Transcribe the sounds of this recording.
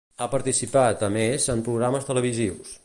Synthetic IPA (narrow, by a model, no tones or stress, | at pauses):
apəɾt̪isipat̪əmezəmpɾuɣɾaməst̪ələβiziws